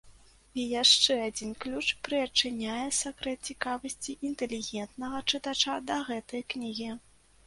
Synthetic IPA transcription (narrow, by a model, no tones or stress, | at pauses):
ijaʂt͡ʂɛad͡zʲinklʲut͡ʂpɾɨɐt͡ʂːɨnʲajɛsakɾɛt̪t͡sʲikavɐsʲt͡sʲiʔint̪ɛlʲiɣʲɛnt̪nɐɣɐt͡ʂɨt̪at͡ʂad̪ɐɣɛt̪ɐjknʲiɣʲi